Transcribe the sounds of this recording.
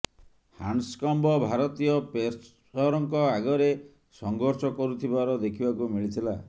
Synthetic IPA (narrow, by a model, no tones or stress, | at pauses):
hanskɔmbɔbʱaɾɔt̪ijɔpe | ɔɾɔŋkɔaɡɔɾe | sɔŋɡɔɾsɔkɔɾut̪ʰibaɾɔd̪ekʰibakumiɭit̪ʰila